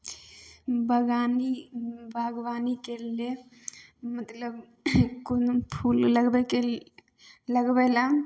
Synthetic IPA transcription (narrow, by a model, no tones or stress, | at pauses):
bʱəɡanibʱaɡʋanikele | mət̪ləb | konopʰulləɡbɛke | ləɡbɛla